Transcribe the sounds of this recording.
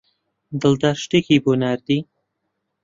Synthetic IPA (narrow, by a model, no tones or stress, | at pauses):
d̪əld̪aɾʃʈikibonaɾd̪i